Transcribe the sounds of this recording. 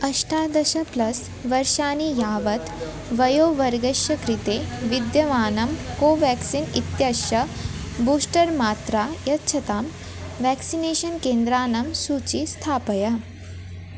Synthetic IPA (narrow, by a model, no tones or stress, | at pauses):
ɐʃʈʰaːd̪ɐʃɐplɐs | ʋɐɾʃaːnijaːʋɐt̪ | ʋɐjoːʋɐɾɡɐʃjɐkɾit̪eːʋid̪jɐʋaːnɐmkoːʋɛːksinit̪jaːʃɐ | buːsʈɐɾmaːt̪ɾaːjɐtːʃʰɐt̪aːm | ʋɛːksineːʃɐnkẽːnd̪ɾaːnɐmsuːt͡ʃist̪ʰaːpɐjɐ